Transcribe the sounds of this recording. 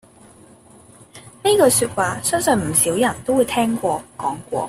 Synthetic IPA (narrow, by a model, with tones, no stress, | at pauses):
ne˥kɔː˧syː˧t̚waː˨sœ˥nsœː˧˩nm̩˨˩siː˨˥wjɐ˨˩nt̪o˥wu˨˧jt̪ʰɛː˥ŋkʷɔː˧kɔː˨˥ŋkʷɔ̰ː˧